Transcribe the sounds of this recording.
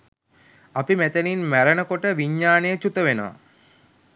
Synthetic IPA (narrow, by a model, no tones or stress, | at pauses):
apimæt̪əninmæɾənəkoʈəʋiɲːaːnejət͡ʃut̪əʋenoʋa̰